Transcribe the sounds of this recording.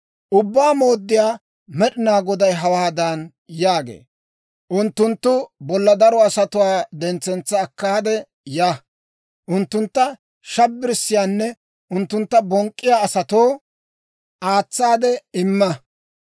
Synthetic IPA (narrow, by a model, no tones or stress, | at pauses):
ʔʊbːaːmo̞ːd̪ːɪjaː | mɛɗɪnaːɡɔd̪ɐjɦɐwaːd̪an | jaːɡḛː | ʔʊnt̪ːʊnt̪ːʊbɔlːɐd̪ɐɾɔɐsɐt̪ʊwaːd̪ɛnt͡sːɛnt͡sːɐːkːaːd̪ɛ | ja | ʔʊnt̪ːʊnt̪ːɐ | ʃɐbːɪɾɪsːɪjaːnːɛ | ʔʊnt̪ːʊnt̪ːɐbɔŋkʼːɪjaːɐsɐt̪oː | ʔaːt͡sːaːd̪ɛɪmːɐ